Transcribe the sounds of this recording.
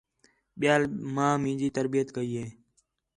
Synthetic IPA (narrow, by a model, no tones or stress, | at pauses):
ɓɪjaːlmãːmĩːd͡ʒiːt̪əɾbijət̪kəiːɦeː